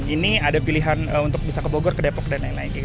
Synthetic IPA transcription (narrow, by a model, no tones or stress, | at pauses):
iniadapiliɦanəunt̪ʊk̚bisakəboɡɔrkədapɔk̚danainlaɪnkiɡ